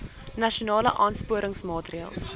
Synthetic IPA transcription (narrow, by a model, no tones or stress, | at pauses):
nɐʃionɑːlə̰ʔɑːnspuəɾəŋsmɑːtriəlˠs